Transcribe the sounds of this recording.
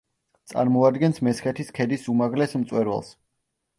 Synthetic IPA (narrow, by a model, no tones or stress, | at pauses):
t̪sʼa̰ɾmɔad̪ɡɛnsmɛsχɛt̪ʰiskʰɛd̪isumaʁlɛsmt̪sʼwɛɾwɛ̰lˠs